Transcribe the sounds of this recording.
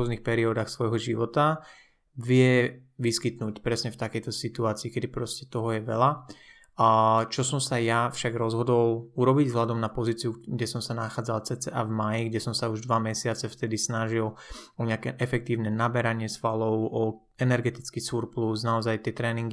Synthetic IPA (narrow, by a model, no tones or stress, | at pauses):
ɔznixpɛɾiɔd̪axsʋɔjɦɔʒiʋɔt̪a | ʋɪɛʋiskit̪nuːcpɾɛsɲɛft̪akɛjt̪ɔsit̪uaːt͡siːkɛd̪ipɾɔscɛt̪ɔɦɔjɛʋɛla | t͡ʃɔsɔmsajafʃaɡɾɔzɦɔd̪ɔluɾɔbiɟzɦlad̪ɔmnapɔziːt͡siuɡɟɛsɔmsanaxaːd͡zalt͡sɛt͡sɛʔavmajiɡɟɛsɔmsauʒd̪ʋamɛsɪat͡sɛft̪ɛd̪isnaʒilɔɲɪakɛʔɛfɛk̚t̪iːʊnɛnabɛɾaɲɪɛsfalɔʊɔ | ɛnɛɾɡɛt̪it͡skisuɾplusnaɔzajt̪ɪɛt̪ɾɛːniŋɡi